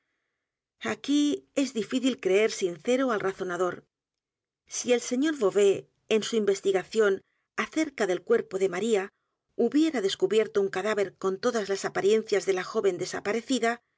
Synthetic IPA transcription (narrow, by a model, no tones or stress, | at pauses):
akie̞zðifiθilkɾee̞ɾsinθe̞ɾoalraθo̞naðo̞ɾ | sie̞lse̞ɲo̞ɾβo̞βe̞ː | nsuimbe̞st̪iɣaθjo̞n | aθe̞ɾkaðe̞lkwe̞ɾpo̞ðe̞maɾia | uβje̞ɾaðe̞skuβje̞ɾt̪ouŋkaðaβe̞ɾko̞nt̪o̞ðazlasapaɾje̞nθjazðe̞laxo̞βe̞nd̪e̞sapaɾe̞θiða